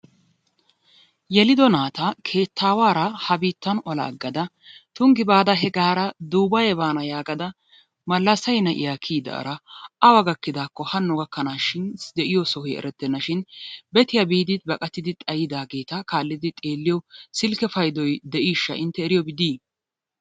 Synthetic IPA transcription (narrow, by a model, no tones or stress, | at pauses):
jɛlɪd̪ɔnaːt̪ɐkʰe̞ːt̪ʰːaːwaːɾɐhɐbiːt̪ːɐnɔlɐ̰ːɡːɐd̪ɐ | t̪ʊŋɡɪbaːd̪ɐɦɛɡaːɾɐd̪uːbɐjɛbaːnɐjaːɡɐd̪ɐ | mɐlːɐsɐjnɐʔɪ̰jakʰiːd̪ɐ̰ʔɐ̰ɾɐʔɐwɐɡɐkːɪd̪aːkːɔhɐnːʊɡɐkːɐnaːʃɪnd̪ɛʔɪjɔsɔhɔjɛ̰ɾɛt̪ːɛnːɐʃɪnbɛt̪ɪjɐbiːd̪ɪd̪̚bɐkʼɐt̪ːɪd̪ɪt̪ʼɐjɪd̪aːɡe̞ːt̪ɐkaːlːɪd̪ɪt̪ʼe̞ːlːɪjɔsɪlkɛfɐjd̪ɔjd̪ɛʔiːʃːɐ̰ʔɪnt̪ːɛːɾɪjɔbɪd̪iː